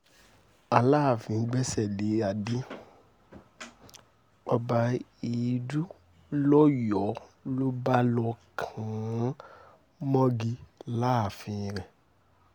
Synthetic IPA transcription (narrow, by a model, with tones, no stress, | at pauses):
a˨la˦˨fĩ˧˦˧ɡ͡bɛ˦sɛ˦˨le˨˦a˨di˦ | ɔ˧ba˧i˨˧du˦ | lɔ˦jɔ˨˦lo˦ba˦lɔ˧kʰã˨˦ | mɔ̃˦ɡi˧la˦˨fĩ˧ɾɛ˨